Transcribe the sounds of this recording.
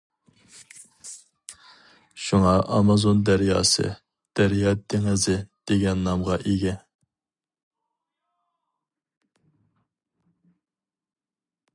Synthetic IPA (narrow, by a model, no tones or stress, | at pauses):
ʃuŋɑʔɑmɑzond̪æɾjɑ̰ːsɨ̰ | d̪̥æɾjɑd̪ʰeŋɪzɨd̪̥eɡʲɛnːɑmʁɑʔeɡʲɛ